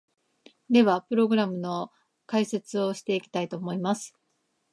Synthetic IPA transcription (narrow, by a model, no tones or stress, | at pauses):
d̪e̞βapɯ̟ɾo̞ɡɯ̟ɾamɯ̟no̞ | kaise̞t͡sɨo̞ɕi̥t̪e̞ikʲi̥t̪ait̪o̞ːmo̞imasɨ̥